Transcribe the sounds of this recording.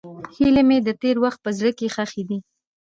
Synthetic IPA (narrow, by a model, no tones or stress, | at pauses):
hilemed̪ət̪eɾwaxt̪̚pəzɽəkexaxed̪i